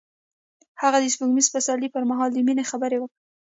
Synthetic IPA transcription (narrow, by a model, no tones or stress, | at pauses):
haɣad̪əspuɡmizfasɑlipəɾmaɦɑld̪əminexabəɾewəkɽe